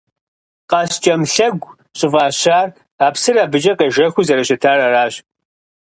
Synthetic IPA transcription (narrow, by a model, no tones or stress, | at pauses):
qɑst͡ʃʼɐmɬɐɡʷ | ɕʼɪvaːɕaːr | aːpsɨraːbɨd͡ʒɐqeʒɐxʷuzɐɾɐɕɪtʰaːrɐraːɕ